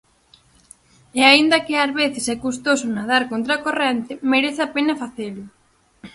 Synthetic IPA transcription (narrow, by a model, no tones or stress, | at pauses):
eaind̪ɐkɪazβeθɪsɛkust̪osʊnaðaɾkont̪ɾakorɛnt̪ɪmeɾeθapenɐfaθelʊ